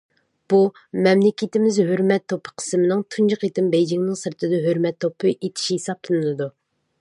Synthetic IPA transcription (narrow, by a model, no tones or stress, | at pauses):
b̥u | mɛmlɪkʲit̪ɪmɪzhøɾmɛt̪ʰːopʰə̥qʰə̥smɪnɪŋt̪ʰund͡ʒɑqit̪ɪmbɛjd͡ʒɪŋnɪŋsɨɾt̪ʰɨd̪ɨɦøɾmɛt̪ʰːopʰːɨʔet̪ʰɪ̥ʃihesɑplˠɨnɨnɨd̪u